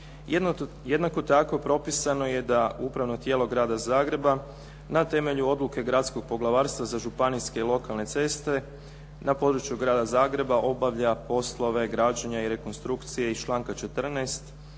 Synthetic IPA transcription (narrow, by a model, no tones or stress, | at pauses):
jed̪nako̞t̪ako̞pɾo̞pisano̞je̞d̪aupɾaʋno̞t̪je̞ːlo̞ɡɾaːd̪azaːɡɾe̞ba | nat̪e̞me̞ʎuo̞d̪luke̞ɡɾat̪sko̞ɡ̚po̞ɡlˠaʋaːɾst̪ʋazaʒupanijske̞ilˠo̞kalˠne̞t̪se̞st̪e̞ | napo̞d̪ɾut͡ʃjuɡɾaːd̪azaːɡɾe̞baʔo̞baʋʎapo̞slˠo̞ʋe̞ɡɾaːd͡ʑaɲaiɾe̞konst̪ɾukt̪sije̞ist͡ʃlˠaːŋkat͡ʃe̞t̪r̩nest̪